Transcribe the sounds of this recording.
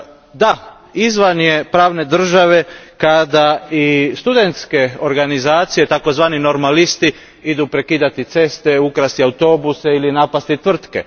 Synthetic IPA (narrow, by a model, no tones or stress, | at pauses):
d̪a | izʋanje̞pɾaːʋne̞d̪r̩ʒaʋe̞kad̪aist̪ud̪e̞nt̪ske̞oɾɡanizaːt̪sije̞t̪ako̞zʋaːnino̞ɾmalist̪i | id̪upɾe̞kiːd̪at̪it̪se̞st̪e̞ukɾast̪iaut̪o̞buseilinapast̪it̪ʋr̩t̪ke̞̰